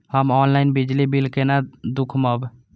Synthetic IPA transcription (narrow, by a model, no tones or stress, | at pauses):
həmɔnlainbid͡ʒlibilkenad̪ukʰməb